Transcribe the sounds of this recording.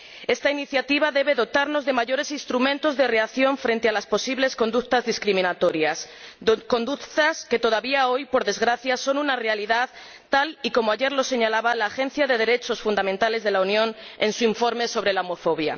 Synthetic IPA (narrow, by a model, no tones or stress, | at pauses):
e̞st̪ainiθjat̪iβ̞aðe̞β̞e̞ðo̞t̪aɾno̞zðe̞maʝo̞ɾe̞sinst̪ɾumẽ̞nt̪o̞zðe̞re̞aθjo̞ɱfɾe̞nt̪ealaspo̞siβlesko̞nd̪ukt̪azðiskɾimĩnat̪o̞ɾjas | ko̞nd̪ut̪aske̞t̪o̞ðaβiao̞jpo̞ɾðe̞zɣɾaθjaso̞nunare̞aliðað | t̪ːaliko̞moaʝe̞ɾlo̞se̞ɲalaβalaːxẽ̞n̟θjaðe̞ð̞e̞ɾe̞t͡ʃo̞sfund̪amẽnt̪ale̞zðe̞launjõ̞ne̞̰nsuiɱfo̞ɾme̞so̞β̞ɾe̞laomo̞fo̞β̞ja̰